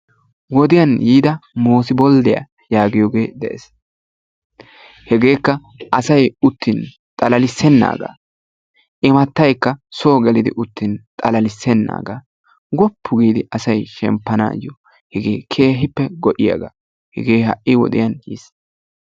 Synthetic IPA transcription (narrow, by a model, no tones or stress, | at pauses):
wɔd̪ɪjɐnjiːd̪ɐmoːsɪbɔld̪ɛjɐ̰ | jaːɡɪjɔɡe̞ːd̪ɛʔɛs | hɛɡe̞ːkːɐ | ʔɐsɐjʊt̪ːɪn | t̪ʼɐlɐlɪsːɛnːa̰ːɡa̰ː | ʔɪmɐt̪ːɐjkːɐsoːɡɛlɪd̪ɪ̰ʔʊt̪ːɪnt̪ʼɐlɐlɪsːɛnːa̰ːɡa̰ː | ɡɔpʰːʊɡiːd̪ɪɐsɐjʃɛ̰mpːɐna̰ːjɔ | hɛɡḛːkʰe̞ːɦɪpːɛɡɔʔɪjɐ̰ɡa | hɛɡeːhɐ̰ʔʔɪwɔ̰d̪ɪ̰jɐnjḭːs